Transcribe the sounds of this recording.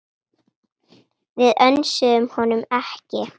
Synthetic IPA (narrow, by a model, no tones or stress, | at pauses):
vɪðœnsʏðʏmhɔnʏmɛhcɪ